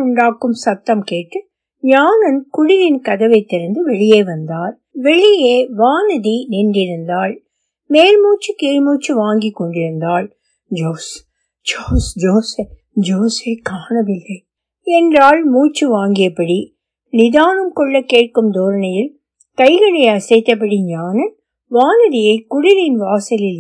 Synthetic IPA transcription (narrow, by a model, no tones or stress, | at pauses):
ʊɳɖaːkːɯmsɐt̪ːɐmkeːʈːɯ | ɲaːnɐnkʊɽɪɾɪnkɐðɐʋɐɪt̪ːɛɾɐnd̪ɯʋɛɭɪjeːʋɐnd̪aːɾ | ʋɛɭɪjeːʋaːnɐðiniɳɖɪɾɯnd̪aːɭ | meːlmuːt͡ʃːɯkeːɻmuːt͡ʃːɯʋaːŋɡɪkːɔɳɖɪɾɯnd̪aːɭ | d͡ʒoːs | d͡ʒoːsd͡ʒoːse | d͡ʒoːsekaːɳɐʋɪlːɐɪ | ɛndraːlmuːt͡ʃːɯʋaːŋɡɪjɐpːɐɽi | nɪðaːnɯmkɔɭːɐkːeːʈ̚kɯmd̪oːɾɐnɐjɪl | kɐɪɣɐɭɐɪɐsɐɪt̪ːɐp̬ːɐɽiɲaːnɐn | ʋaːnɐðɪjɐɪkʊɽɪɾɪnʋaːsɐlɪl